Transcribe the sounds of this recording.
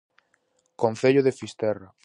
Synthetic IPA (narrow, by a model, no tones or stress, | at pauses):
konθeʎʊðefist̪ɛra